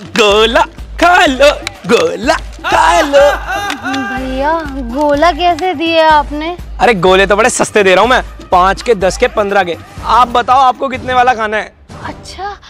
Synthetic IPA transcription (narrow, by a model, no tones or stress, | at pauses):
ɡoːlakʰaːloɡoːla | kʰaːlo | bʱɐjaɡoːlak̬ɛːs̬ed̪ieɛaːpneɐɾeɡoːlet̪̬obɐɽesɐst̪ed̪eːɾaːɦũmɛ̃ːpãːt͡ʃked̪ɐskepɐ̃nd̪ɾaɡeːaːp̚bɐt̪aːoaːp̚kok̬ɪt̪neʋaːlakʰaːnaɦɛː | ɐtːʃʰa